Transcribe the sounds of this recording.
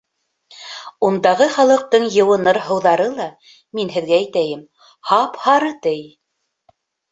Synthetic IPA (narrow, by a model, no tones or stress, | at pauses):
und̪ɑʁɤχɑlˠɤ̆q̚t̪ɤɴjɤ̆wɤ̆nɤɾɦɤ̆wðɑɾɤlˠɑ | minɦɘ̆ðɡæːjt̪æjɘm | hɑphɑɾɤt̪ɘj